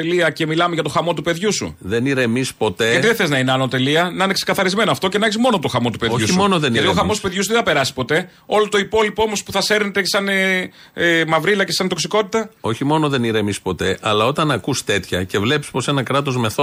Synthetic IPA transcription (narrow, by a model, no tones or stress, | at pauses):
eliɐce̞milɐmeʝɐt̪o̞xɐmo̞t̪upe̞ðʝusṵðe̞niɾeːmispo̞t̪e̞ɐiðeθeznɐineɐnot̪e̞liɐnɐinekse̥kɐθɐɾizme̞noɐft̪o̞cenɐçizmo̞no̞t̪o̞xɐmo̞t̪upe̞ðoʝusimonoðeniɐt̪iooxɐmost̪upeðʝusuðeθɐpe̞ɾɐsi̥spo̞t̪e̞ | o̞lot̪o̞ipo̞lipoomo̞spuθɐse̞ɾnet̪esɐne | mɐvɾilɐce̞sɐnt̪oksiko̞t̪it̪ɐo̞çimo̞noðe̞niɾemispo̞t̪e̞ʔɐlɐo̞t̪ɐnɐkust̪e̞t̪çɐce̞vle̞pi̥spo̞se̞nɐkɾɐt̪o̞zme̞θo